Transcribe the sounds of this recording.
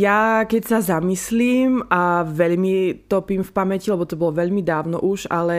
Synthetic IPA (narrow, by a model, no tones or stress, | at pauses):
jakɛcsazamisliːmaʋɛʎmit̪ɔpimfpamɛcilɛbɔt̪ɔbɔlɔʋɛʎmid̪aːʊnɔ̰ʔuʒa̰lɛ